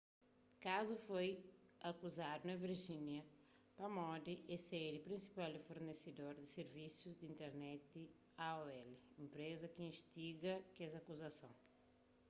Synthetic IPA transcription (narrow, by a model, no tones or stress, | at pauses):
kazʊfoj | akuzad̪unɐ̃viɾʒĩnjɐ | pɐmɔd̪ɪʔeseɾɪpɾĩsi̥paldɪfoɾnesed̪oɾd̪ɪseɾvisjuzd̪ĩnt̪eɾnɛt̪̚ɪ | aɔɛlɪĩmpɾezɐkɪĩʃt̪iɡɐkɛzakuzasõw̃